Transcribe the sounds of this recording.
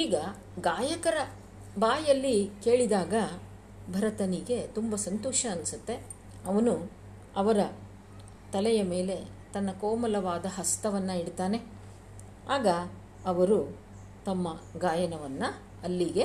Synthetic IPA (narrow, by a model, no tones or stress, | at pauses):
iːɡɐ | ɡaːjɐkɐɾɐ | baːjɐlːike̞ːɭid̪aːɡɐ | bʱɐɾɐt̪ɐniɡe̞t̪umbɐsɐnt̪ɔːʂɐːnisut̪ːe̞ | ɐʋɐnu | ɐʋɐɾɐ | t̪ɐlɛjɐme̞ːle̞ | t̪ɐnːɐkɔːmɐlɐʋaːd̪ɐɦɐst̪ɐʋɐnːɐiɽt̪aːne̞ | aːɡɐː | ʋɐɾu | t̪ɐmːɐɡaːjɐnɐʋɐnːɐ | ɐlːiɡe̞